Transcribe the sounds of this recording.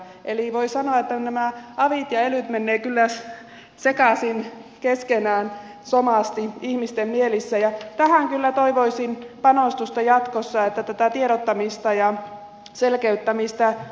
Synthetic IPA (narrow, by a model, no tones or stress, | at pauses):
ʔeliʋoisɑnoɑet̪ːænæmæɑʋit̪jɑelyt̪menːeːkylːæ | sekɑsinkeskenæːn | somɑˑst̪iihmist̪emmielisːæjɑt̪æhæŋkylːæt̪oiʋoisinpɑnost̪ust̪ɑjɑt̪kosːɑet̪ːæt̪æt̪æt̪ieɾot̪ːɑmist̪ɑjɑ | selkeyt̪ːæmist̪ɑ